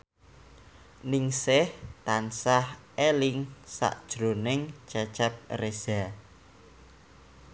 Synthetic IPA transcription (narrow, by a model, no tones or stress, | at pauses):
nɪŋsɪht̪ansahʔelɪŋsa̰ʔd̥ʒ̥ɾonɪŋ̥t͡ʃat͡ʃɛp̚rez̥a